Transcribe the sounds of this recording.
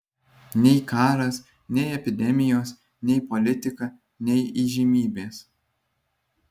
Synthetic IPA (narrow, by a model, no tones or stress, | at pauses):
nʲɛɪkɑːɾɐs | nʲɛɪɛpʲɪd̪ʲɛmʲɪjoːs | nʲɛɪpɔlʲɪt̪ʲɪkɐ | nʲɛɪiːʒʲimʲiːbʲeːs